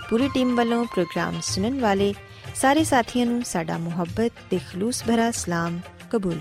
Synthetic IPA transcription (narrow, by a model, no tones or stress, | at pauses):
puːɾiʈiːmʋɐlõpɾoːɡɾa̰ːmsʊnənɪ̆ʋaːle | saːɾesaːt̪ʰijə̃nũsaːɖʱa̰mʊɦəbːət̪ːeːxluːsbʱɐɾasɪlaːm | kɐbuːl